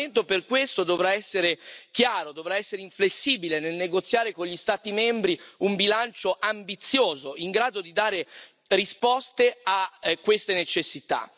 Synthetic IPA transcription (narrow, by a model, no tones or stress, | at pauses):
ent̪operkwest̪od̪ovɾaɛsːeɾekjaːɾod̪ovɾaɛsːeɾeiɱflesːiːbilenelneɡot̪sːjaːɾekoɲʎist̪aːt̪imɛmbɾiumbilant͡ʃoʔambit̪sːjoːzoiŋɡɾaːd̪od̪id̪aːɾe | rispɔst̪eakːwest̪enet͡ʃesːit̪a̰